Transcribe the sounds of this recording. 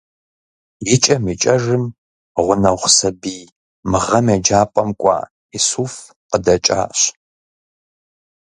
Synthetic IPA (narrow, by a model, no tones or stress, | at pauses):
jɪt͡ʃʼɐmit͡ʃʼɐʐɨm | ʁʷʊnɐʁʷsɐbiː | mɨʁɐmɛd͡ʒaːpʷʼɔmkʷʼɑ̰ː | isuːf | qədɐt͡ʃʼa̰ːɕ